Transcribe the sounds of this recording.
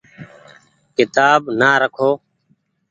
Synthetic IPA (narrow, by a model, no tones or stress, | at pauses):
kɪt̪aːbnaːɾəkʰoː